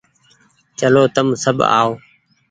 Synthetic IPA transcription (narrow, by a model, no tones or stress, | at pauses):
t͡ʃəloːt̪əmsəba̰ːoː